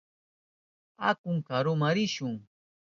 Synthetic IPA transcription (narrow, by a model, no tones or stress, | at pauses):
akʊŋkaɾʊmaɾɪʃʊŋ